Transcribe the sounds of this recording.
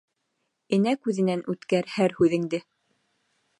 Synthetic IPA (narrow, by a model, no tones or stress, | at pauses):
ɘ̆nækʉðɘ̆nænʔʉt̪kæɾhæɾhʉðɘ̆ŋd̪ɘ